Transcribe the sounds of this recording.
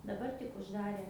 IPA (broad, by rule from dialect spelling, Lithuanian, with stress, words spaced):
dɐˈbɐr tʲɪk ʊʒˈdɑːrʲeː